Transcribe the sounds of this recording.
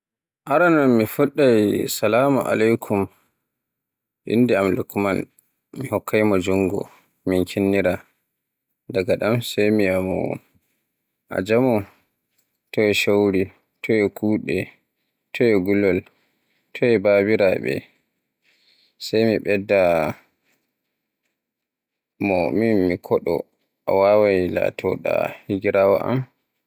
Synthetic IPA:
ʔaɾanɔnmifuɗːajsalaːmṵʔa̰lajkʰum | ʔḭnːdɛamlukman | mihɔkːajmɔd͡ʒuŋɡɔ̰ | minkʰinːiɾa | daɡaɗamsajmiamɔ̰ | ʔa̰d͡ʒamɔ | tɔwɛʃowɾi | tʰɔɛkʰuɗɛ | tʰɔjɛɡulːɔl | tʰɔɛbabiɾaɓɛ̰ | sajmiɓɛdːa | mɔminmikʰɔɗɔ̰ | ʔa̰wawajla̰tʰɔɗa̰hiɡiɾawa̰ʔa̰m

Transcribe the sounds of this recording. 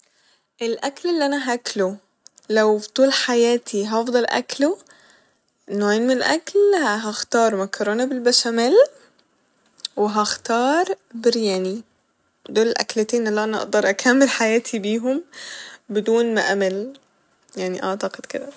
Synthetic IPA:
ʔelʔæklelːiʔænæɦæklo | læwt̪ˤuːlħajæːt̪ʰiɦɑfd̪ˤɑlʔæ̰klo | nːoːʕeːnmenelʔæ̰klhɦæxt̪ɑːɾˤmækɑɾˤoːnæbelbæʃæmæl | weɦæxt̪ɑːɾˤbeɾjæːni | d̪oːlelʔæ̰klet̪eːnʔælːæːʔænæʔɑ̰ʔd̪ɑɾˤʔækʰæmːelħajæːt̪ʰibiːɦom | bed̪uːnmæʔæmæl | jaʕniʔɑʕt̪ɑqed̪̥ked̪æ

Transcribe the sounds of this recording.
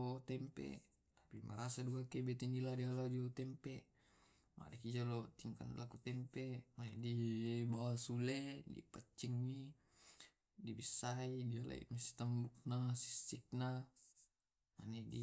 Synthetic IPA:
t̪ɛmpḛ | t̪ḁpimʔa̰ɾasadukakebɛt̪eniladialadiot̪ɛmpeʔ | mʔa̰dekid͡ʒalot̪iŋka̰nlakut̪ɛmpemanedibawasuledḭpət͡ʃːiŋmi | dibisːaidiala̰ḭmisi̥t̪ambuk̚nasi̥sːik̚na | ma̰nedi

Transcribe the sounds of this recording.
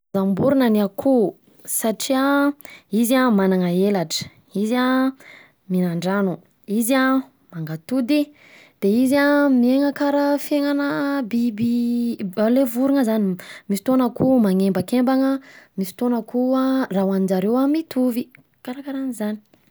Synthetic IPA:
zambuɾunaniakʰu | saʈ͡ʂia | izamanaŋaelaʈ͡ʂə̥ | iza | minaɳɖ͡ʐanu | iza | maŋɡat̪ud̪i | d̪̥eizamieŋəkaɾəfeŋanəbibialevuɾuŋəzanimisit̪onakumaŋembəkembaŋəmisi̥t̪onəkuarawanid͡ʒaɾewamit̪ʰuvi | kaɾakaɾanizani̥

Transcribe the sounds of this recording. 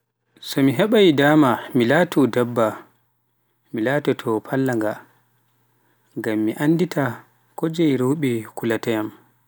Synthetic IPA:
sɔmiɦɛɓajidaːmamilaːtʰudɛbːa | milaːtɛtʰɔpʰalːaŋɡa | ŋɡamːiʔanːditʰa | kod͡ʒɛjɾowɓɛkulatɛjam

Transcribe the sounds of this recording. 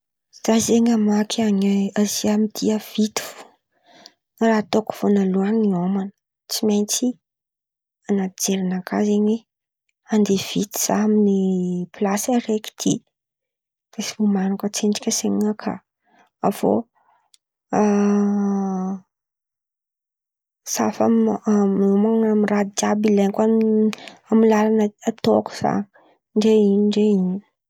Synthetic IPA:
z̥azeɲamakʰaɲeaziamid̪̥iəv̥it̪u̥vu̥ | raːt̪oku̥v̥onaluaŋniomanə̥ | t͡simejnt͡si | anad͡zeɾanakʰazeɲwe | and̪ev̥it̪i̥z̥aminiplasəɾeki̥t̪ʰḭ | d̪̥esi̥umanukət͡seɳɖ͡ʐi̥kʲəseɲakʰa̰ | av̥o̰ | a | safaaminumaŋamirad̪iabileɲka | amilalanaat̪oku̥z̥a̰n | ɳɖ͡ʐeinɳɖ͡ʐeini̥

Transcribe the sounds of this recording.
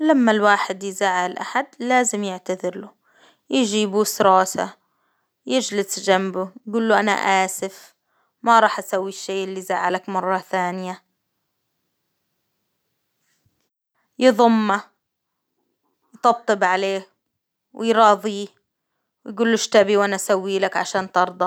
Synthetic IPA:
lamːalwaːħɪd̪jzaːʕːalʔa̰ħad̪laːzɪmjɪʕt̪aðɪɾlu | jɪd͡ʒiːbusɾˤɑːsa̰ | jɪd͡ʒlɪsd͡ʒambujɡuːlːuʔana̰ʔaːsɪf | maɾˤɑːħʔasawːiʃːeːʔɪlːizaʕalakmɑrˤːɑθaːnɪja | jɨðˤʊmːa | jt̪ɑb̚t̪ˤːɨbʕaleː | wɪ̰jɾˤɑːðˤiː | wjɡuːlːuʃt̪abiwʔanaʔsawːiːlakʕa̰ʃaːnt̪ɑɾˤd̪ˤɑ

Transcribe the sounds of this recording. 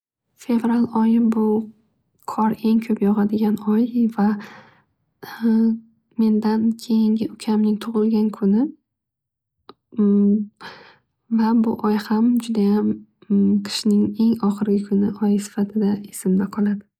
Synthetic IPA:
fe̞vɾalˠɒjɪbʊ | kʰɒɾe̞ŋkʲʰɵpjɒʁɑd̪ɪɡʲanɒjva | me̞nd̪ankʲʰe̞jɪŋɡʲɪʊkʲʰamnɪŋt̪ʰʊʁɨlˠɡʲankʰʊnɪ | vabʊʔɒjhamd͡ʒʊd̪ajam | qʰɪ̥ʃnɪŋe̞ŋɒχɨɾɡʲɪkʰʊnɪʔɒjsɪ̥fat̪ʰɪd̪aesɪmnɪqʰɒlˠad̪ɪ

